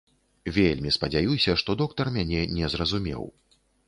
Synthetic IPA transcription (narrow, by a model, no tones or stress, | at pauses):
vʲelʲmʲispɐd͡zʲajusʲɐʂt̪ɔd̪ɔk̚t̪ɐrmʲanʲɛnʲɛzrɐzumʲɛ̰w